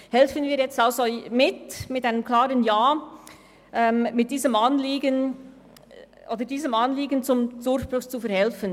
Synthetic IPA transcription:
hɛlfənviːɐjɛt͡staʊszomɪtmɪtaɪnəmkl̥aːɾənjaː | ʔɛmmɪt̚d̥iːzəmʔanliːɡən | ʔoːdədiːzəmʔanliːɡənt͡sʊmdʊɾçb̥ʁʊçt͡sufɛɐhɛlfən

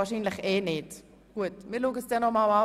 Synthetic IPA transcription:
aːʃinlɪxeːnɪt | ɡ̥uətmiːluːɡəsd̥ɛnɔmala

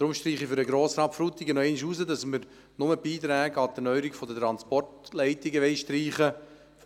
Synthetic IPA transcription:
d̥ɾʊmʃtɾiːχifʏɾəɡɾoːsɾɑːtfɾuːt̪iɡənɔɛɪniʃuːsədɑsməɾ | nʊməb̥iːt̪ɾæːɡəɑdənœʏəɾiɡfɔdətɾɑnspɔrtlɛɪtɪɡəʋɛɪʃtɾiːχə

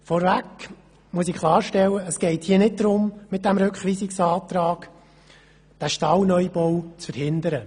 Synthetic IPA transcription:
fɔɾvæk | muəsɪkʰlˠɑːɾʃtɛlːəəsɡ̥ɛɪthiːənɪt̚d̥̪ɾʊmmɪt̚dæmɾɵkχʋiːsɪksɑːt̪ɾɑːɡ̥ | d̥æʃtɑlnœjbɔwt͡sfəɾhɪndəɾə

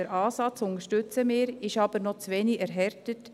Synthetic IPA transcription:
əɾɑːsɑt͡sʊŋəɾʃtʏt͡səmɪːɾɪʃɑb̥əɾnɔt͡sʋɛːnɪɛɾɦɛɾtət

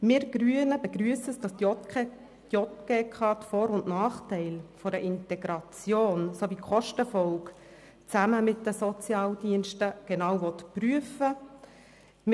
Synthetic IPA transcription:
mɪːɾɡ̥ɾyənəbɛɡɾyəsəsd̥ɑs | d̥jɔt̪ɡ̥eːkʰɑtfɔːɾʊnʔnɑːχtɛɪlfɔɾəʔɪntɛɡɾɑt͡sjoːnsovikʰχɔʃtəfɔlk | t͡sæməmɪt̚dəsɔt͡sjɑːldiənʃtəɡ̥ɛnɑwʋɔtpryəfə | m

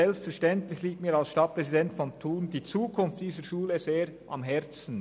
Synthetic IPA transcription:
ɛlpstfɛʁʃtɛntlɪçliːk̚tmiːɾalsʃtɑt̚pʁɛzidɛntfɔntʰuːnd̥iːt͡suːkʰʊnft̚d̥iːzəɾʃuːləzeːɾʔɑ̰mɦɛɾt͡sn̩

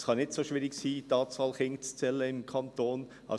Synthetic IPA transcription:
skʰɑnɪt̪soːʃʋiːɾɪɡsiːd̪ɑːtsɑlχɪŋst͡sɛləɪmkʰɑnt̪ʰoːn | ʔɑ̰

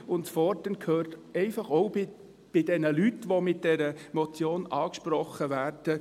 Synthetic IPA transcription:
ʊntfɔɾdənkʰhøːrtɛɪfɑχɔwbɪ | b̥ɪd̥ɛnəlytːʋomɪt̚d̥ɛɾəmɔt͡sjoːnɑːkʃpɾɔχːəʋæːrd̥ə

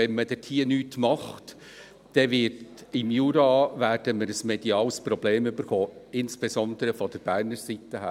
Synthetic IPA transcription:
ɛnməd̥ɛtʰiːənyːtmɑχt | d̥ɛʋɪɾtɪmjuːɾɑvæːɾd̥əməɾəsmed̥iɑːlspɾɔb̥leːmʏbəɾχoːɪnsb̥esɔnd̪əɾəfɔd̥̪əɾb̥æːrnəɾsit̪ːəɦæː

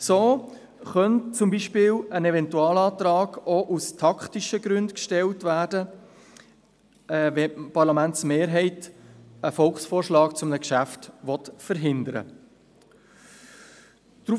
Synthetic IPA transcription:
soː | χœntt͡sʊmbiʃpɪːlənɛvɛntuɑːlɑːt̪ɾɑːɡ̥oʔustʰɑktiʃəɡɾʉndkʃtɛltvæːɾdə | vɛpɑɾlɑmæntsmeːɾɦɛɪtəfɔlkχsfoːrʃlɑːkt͡sʊmnəkʃæftʋɔtfəɾɦɪnd̪əɾə̰ | d̥ɾu

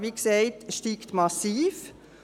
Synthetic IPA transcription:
ʋiːkseɪtʃtiːktmɑsiːf

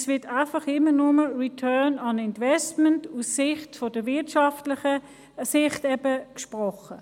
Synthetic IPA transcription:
svɪɐtaɪfɑχɪmːənʊməɹitʰœːnɑnɪntvɛstməntusːɪχtfɔd̥əvɪɐtʃɑftlɪχə | sɪχtɛbəkʃpʁɔχə

